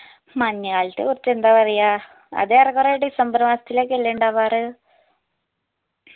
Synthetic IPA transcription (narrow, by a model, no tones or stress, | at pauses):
mɐɲːaːɭit̪ːɨ̰kurɐt͡ɕːe̞nd̪aːpɐrɐja | ɐ̰ðeɐrɐkorejɽisɐmbɾɐʋaːsɐ̥t̪ːileːk̬ːelːeɳɖaːʋaːrɨ